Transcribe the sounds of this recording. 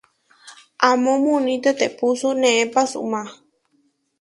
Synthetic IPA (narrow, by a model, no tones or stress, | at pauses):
ʔamõmũnĩt̪et̪epusunẽẽpasṵmã